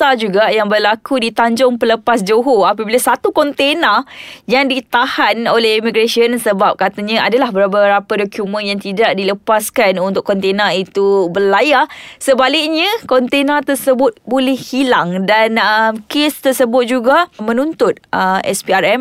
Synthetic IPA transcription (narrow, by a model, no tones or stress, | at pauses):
ad͡ʒuɡajaŋbəlakudit̪aɲd͡ʒɔŋpələpasd͡ʒoɦoapabilasat̪ukɔnt̪enajaŋdit̪ahanolɛhimiɡɾasiənsəbap̚kat̪aɲãadalahbəɾabəɾapadokjumə̃njaŋt̪idaʔ̚diləpaskanunt̪ʊʔkːɔnt̪enait̪ubəlajasəbalɪk̚ɲãkɔnt̪enat̪ərsəbʊt̪̚bolɛhhilaŋdanəmkest̪ərsəbʊt̪̚d͡ʒuɡamə̃nunt̪ʊt̪̚əmɛ̰spiarɛm